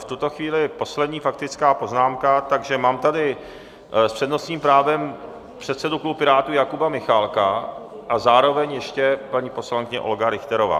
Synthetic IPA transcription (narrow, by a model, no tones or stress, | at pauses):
ft̪ut̪o̞xviːlɪpo̞slɛd̪ɲiːfak̚t̪ɪt͡skaːpo̞znaːmkat̪aɡʒɛmaːmt̪adɪ | spr̥ɛdno̞sɲiːmpɾaːvɛm | pr̝̥ɛt̪sɛduklupɪɾaːt̪ujakubamɪxaːlka | ʔazaːɾo̞vɛɲjɛʃcɛpaɲipo̞slaŋkɪɲɛ̰ʔolɡaɾɪxt̪ɛɾo̞va̰ː